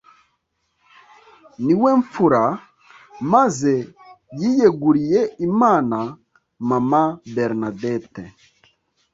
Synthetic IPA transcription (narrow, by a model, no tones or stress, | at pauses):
niwɛɱfuɾa | maze | jijeɡuɾijeimaːna | mamabeɾnadɛte